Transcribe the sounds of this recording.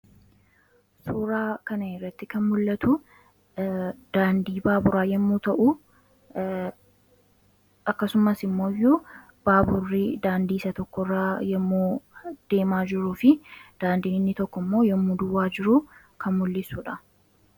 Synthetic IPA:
suːɾaːkɐnɐɛrːɐt̪ːɪkɐnmʊlːɐt̪u | d̪̥aːnd̪iːbaːbʊɾaːjɛmːuːt̪ɐʔu | ɐkːɐsʊmɐsɪmːo̞ːju | b̥aːbʊrːɪd̪aːnd̪iːsɐt̪ɔkːɔrːaːjɛmːuːd̪̥e̞ːmaːd͡ʒɪɾuːfɪd̪̥aːnd̪iːnɪnːɪt̪ɔkːɔmːo̞ːjɛmːud̪ʊwaːd͡ʒɪɾu | kʰɐmmʊlːɪsuːᶑɐ

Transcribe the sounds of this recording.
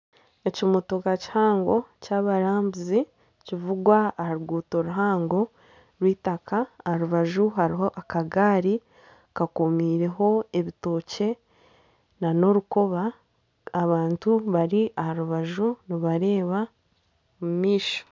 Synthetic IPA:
e̞cimutokaci̥haːŋɡo̞caβaɾaːmbuzi | civuɡwahaɾuɡuːtoɾuɦaːŋɡo̞ | ɾwiːtakaːhaɾuβaʒuɦaɾiɦo̞ʔakaɡaːɾi | kakumiːɾe̞ɦo̞e̞βito̞ːce̞ | nano̞ɾukoβaː | βaːntuβaɾiʔahaɾuβaʒuniβaɾe̞ːβa | mumiːʃo̥

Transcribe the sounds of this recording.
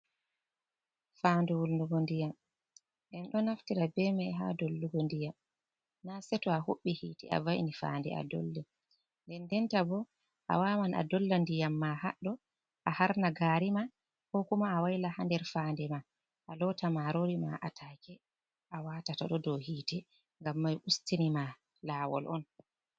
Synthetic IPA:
fandɛwulnduɡɔndijam | ɗɛnɗɔnaftiɾabɛmɛɦa̰dolːuɡɔndijam | nasɛtɔahoɓːihiːtia̰vajnifa̰ːndɛ̰a̰dɔ̰lːɛ | ndɛndɛntabɔ | ʔa̰wamanʔa̰dɔlːandijamːahaɗɔ | ʔahaɾnaɡaɾima | hɔkumaːwajlahandɛɾfaːndɛma | ʔalɔtamaɾoɾima̰ʔa̰tʰakɛ | ʔawatata̰ɗɔdɔhiːtɛ | ŋɡamːajʔustinima | laːwɔ̰lʔɔn

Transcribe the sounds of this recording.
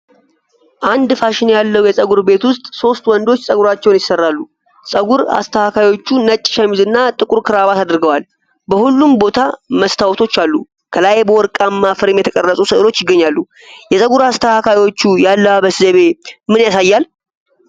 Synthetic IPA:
ʔand̪faʃɪnejalːəwjɛsʼəɡuɾbe̞t̪wʊst̪ʼso̞st̪wɔnd̪o̞t͡ʃːsʼəɡuɾat͡ʃːɛwnjɪsːərːalːu | sʼəɡuɾa̰st̪ʰəhakʰajwo̞t͡ʃːunət͡ʃʼːʃamizɨnːat̪ʼɨkʼuɾkʰɨɾaβat̪ad̪ɾɡəwal | bəhulːumbo̞t̪ʰaməst̪ʰawt̪ʰo̞t͡ʃːalːu | kʰəlajbəwɔɾkʼamːafəɾɨmjɛt̪ʰəkʼərːəsʼusɨʔlo̞t͡ʃːjɪɡːəɲːalːu | jɛsʼəɡuɾast̪ʰəhakʰajwo̞t͡ʃːujalːəwabəszəβe̞mɨnjasajːal

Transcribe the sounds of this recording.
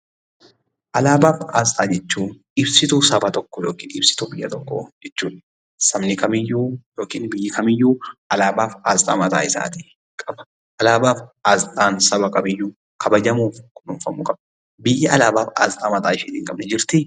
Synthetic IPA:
ʔɐlaːbaːfaːzt̪ʼaːd͡ʒɛt͡ʃːuːʔɪbsɪt̪uːsɐbɐt̪ɔkːɔjoːkiːnɪbsɪ̥t̪uːbɪjːɐt̪ɔkːɔ̰d͡ʒɛt͡ʃːuːᶑɐ̥ | sɐmnɪkɐmɪjːuːjoːkiːnbɪjːɪkʰɐmɪjːuːɐlaːbaːfaːzt̪ʼaːmɐt̪ʼa̰ːɪsa̰ːt̪ɪ̥ | kʼɐbɐ̥ | ʔɐlaːbaːfaːzt̪ʼaːnsɐbɐkʼɐbɪjːuː | kʰɐbɐd͡ʒɐmuːfkʊnʊnfɐmuːkʼɐb | bɪjːɪɐlaːbaːfa̰ːzt̪ʼaːmɐt̪ʼaːɪʃɪt̪ɪŋkʼɐbnɛd͡ʒɪɾt̪ɪ

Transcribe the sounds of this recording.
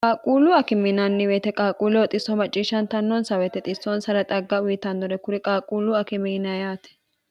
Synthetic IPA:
kʼaːkʼuːlʊɐkɪmɪnɐnːɪweːt̪ɛkʼaːkʼuːlɛwɔt̪ʼɪsːɔmɐt͡ʃʼːiːʃːɐnt̪ɐnːɔnsɐwɛt̪ɛt̪ʼɪsːɔnsɐɾɐt̪ʼɐɡːɐwiːt̪ɐnd̪ɔɾɛkʊɾɪkʼaːkʼuːlʊɐkɪminɐjaːt̪ɛ̥

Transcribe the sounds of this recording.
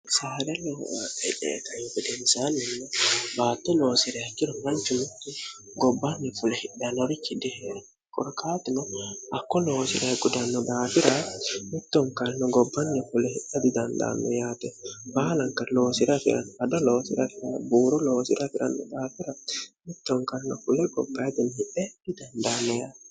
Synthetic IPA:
saːɾɛlɔɛᶑɛ̰ːt̪ɐjfɪd̪ɛnsaːnɛnːɔbaːt̪ːɔloːsɪɾɛɐkːɪɾɔmɐnt͡ʃʊmʊt̪ːɪ | ɡɔbːɐnːɛfʊlɛhɪɗːɐnɔɾɪkːɪd̪ɛɛ | kʼɔ̰ɾkaːt̪ɪnɔʔɐkːɔloːsɪɾɐɡʊd̪ɐnːɔd̪aːfɪɾamit̪ːɔŋkalnɔɡɔbːanːɛfulɛhiɗːad̪idanda̰nɔ̰jat̪ɛbaːlaŋkaloːsiɾafḭɾa̰nadɔloːsiɾafiɾabuːɾɔloːsiɾafiɾa̰nːɔ̰daːfiɾamit̪ːɔŋkaɾnɔfulɛɡɔ̰bajd̪inhiʔɛd̥idandanɔja

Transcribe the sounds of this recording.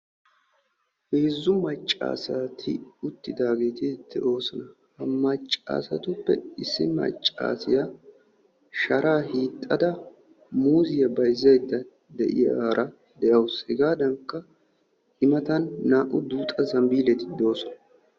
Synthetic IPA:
heːzːʊmɐt͡ʃʼːa̰ːsat̪ʰɪ̰ʊt̪ːɪd̪aːɡe̞ːt̪ɪt̪ːɛʔo̞ːsɔnɐ | hɐmɐt͡ʃʼːa̰ːsɐt̪ʊpːɛ̰ɪsːɪmɐ̰t͡ʃʼːa̰ːsɪjɐ | ʃɐɾaːhiːt̪ʼːɐd̪ɐ | muːzɪjɐbɐjzɐjd̪ːɐ | d̪ɛʔɪ̰jɐːɾʔɐ | d̪ɛʔɐwʊshɛɡaːd̪ɐŋkːɐ | ɪmɐt̪ɐnːaːʔʊd̪uːt̪ʼɐzɐmbiːlɛt̪ɪ̥d̪o̞ːsɔnɐ

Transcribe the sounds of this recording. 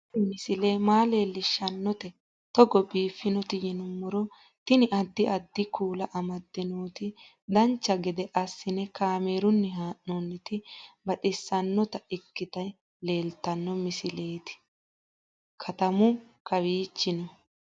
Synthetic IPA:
mɪsɪleːmaːle̞ːlːɪʃːɐnːɔt̪ɛ | t̪ɔɡɔbiːfːɪnɔt̪ɪjɪnʊmːɔɾɔ | t̪ɪnɪʔɐd̪ːɪʔɐd̪ːɪkuːlɐʔɐmɐd̪ːɪnoːt̪ɪ | d̪ɐnt͡ʃːɐɡɛd̪ɛʔɐsːɪnɛkaːme̞ːɾʊnːɛɦaːʔːoːnːɪt̪ɪbɐtɪsːɐnːɔt̪ɐɪkːɪt̪ɐj | le̞ːlt̪ɐnːɔmɪsɪle̞ːt̪ɪ̥ | kʰɐt̪ɐmʊ | kɐβiːt͡ʃːɪnɔ

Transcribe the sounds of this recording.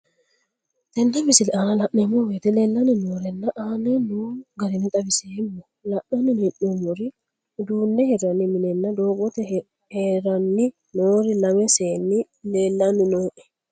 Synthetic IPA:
t̪ɛnːɐbɪsɪlaːnɐlɐʔnɛmːɔwet̪ɛleːlːɐnɪnoɾɛnːɐʔaːnɛnuɡɐɾɪnɪt̪ʼɐbɪseːmːɔ | lɐʔnɐnɪnɛʔːumɔɾɪ | d̪uːnːɛhɛɾɐnːɪmɪnɛnːɐd̪oːɡɔt̪ɛ | heɾɐnːɪ | noːɾɪlɐmɛseːnːɪ | leːlːɐnːɪnɔɛʔɛ

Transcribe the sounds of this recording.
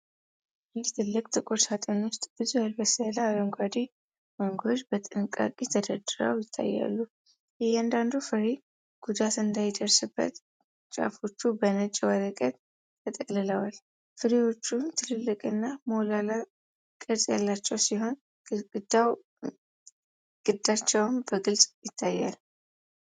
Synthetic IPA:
jɛt̪ʰɨlːɨkʼt̪ʰʼɨkʼoɾsat̪ʼenwʊst̪ʼb̥ɨzujalbəsəlaːləŋɡʷad̪i | məŋɡod͡ʒbət̪ʼɨnɨkʼa̰kʼit̪ʰəd̪əd̪ɨɾa̰wjɪt̪ʰːa̰jːa̰lːu | jɛhɛand̪and̪ufəɾi | ɡ̥ud̪at̪ɨnd̪ajd̪əɾsɨbːə̰t̪ | t͡ʃʼa̰fo̞t͡ʃːubənət͡ʃʼːiwəɾəkʼət̪ʼ | t̪ʰːət̪ʼəlːɨləwal | fɨɾiwo̞t͡ʃːunt̪ʰɨlɨlːɨkʼɨnːamolala | kʼɨɾsʼja̰lːat͡ʃːɛwsiɦo̞n | d̪aw | ɡ̥ɨd̪at͡ʃːɛwnbəɡɨlsʼjɪt̪ʰːajːa̰l

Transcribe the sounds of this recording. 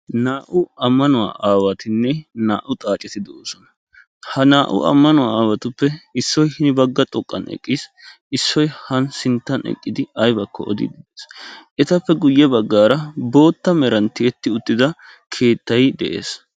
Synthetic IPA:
naːʔʊɐmːɐnʊwa̰ːʔaːwɐt̪ɪnːɛna̰ːʔʊt̪ʼaːt͡ʃʼɛt̪ɪd̪ɛʔoːsɔnɐ̥ | hɐnaːʔʊ̰ɐ̰mːɐnʊwaːaːwɐt̪ʊpːɛɪsːɔjhɪnɪbɐɡːɐt̪ʼɔkʼːɐ̰nʔɛ̰kʼːiːs | ɪsːɔjhɐnsɪnt̪ːɐnɛ̰kʼːɪd̪ɪɐjbɐkʰːɔ̰ɔd̪ɪ̰d̪ɪd̪eːsʔɛt̪ɐpːɛɡʊjːɛbɐɡːaːɾɐbo̞ːt̪ːɐmɛɾɐnt̪ːɪɛt̪ːɪʊt̪ːɪd̪ɐ | kʰe̞ːt̪ːɐjd̪ɛ̰ʔe̞̰ːs

